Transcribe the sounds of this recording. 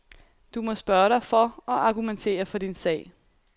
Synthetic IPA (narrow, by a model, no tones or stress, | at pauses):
d̥umɒ̽sb̥ɶːɐɾɑ̈ɪfɒ̽ɒ̽ʔɑ̈ɡ̥ument͡sʰe̝̰ːɐfɒ̽d̥insɛ̰ːɪ